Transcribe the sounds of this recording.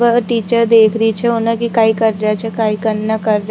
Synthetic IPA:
əʈiːt͡ʃəɾd̪eːkʰɾəit͡ʃʰɛʊnẽkikaːikɐɾːɐɦat͡ʃʰɛkaːikɐɾnakɐɾː

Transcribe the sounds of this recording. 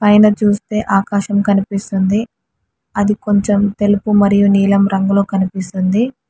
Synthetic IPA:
pɐjnɐt͡ʃuːst̪e̞ːʔaːkaːʃɐmkɐnipist̪und̪i | ɐd̪iko̞ɲt͡ʃemt̪e̞lupumɐɾijuniːlɐmɾɐŋɡulo̞ːkɐnipist̪und̪i

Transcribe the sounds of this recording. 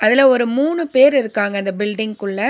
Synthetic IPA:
ɐðɪlɐɔɾɯmuːɳɯpeːɾɪɾɯkːaːŋɡɐɪnd̪ɐbɪlɖɪŋɡkɯɭːɐ

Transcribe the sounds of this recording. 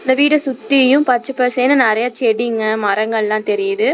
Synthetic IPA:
ɪnd̪ɐʋiːɽɐsʊt̪ːɪjɯ̃pɐt͡ʃːɐpːɐseːnɯnaɐɾɐjaːt͡ʃːɪɛɽiŋɡɐmɐɾɐŋɡɐɭlãːt̪ɛɾɪjɐðɯ

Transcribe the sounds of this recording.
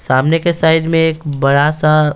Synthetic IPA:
saːmnekesaːɪd̪mẽeːkbɐɽasa

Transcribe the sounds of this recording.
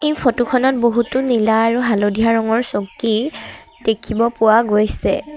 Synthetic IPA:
ejpʰotukʰɔnɔt̚boɦutʊnilaːɹuɦalodijaɹɔŋɔɹsokti | d̥ekʰibɔpʊwaɡojsɛ

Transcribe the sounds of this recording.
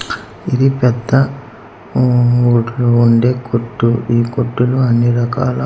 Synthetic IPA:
id̪ipɛd̪ːɐ | uːʈluːɳɖeːkoʈːuiːkoʈːuluɐnːiɾɐkaːlɐ

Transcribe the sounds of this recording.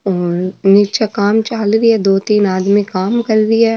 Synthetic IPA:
ɔːɾnɪt͡ʃakaːmt͡ʃaːlɾiɦɛd̪oːt̪iːnaːd̪mikaːmkɐɾɾiɛː

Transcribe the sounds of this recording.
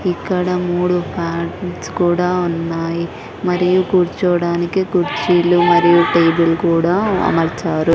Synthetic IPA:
ikːɐɽɐmuːɽupʰaːʈskuːɽaːunːaːji | mɐɾijuɡuɾt͡ʃɔːɽaːnikiɡuɾt͡ʃilumɐɾijuʈeːbulkuːɽaːɐ̰mɐɾt͡ʃaːɾu

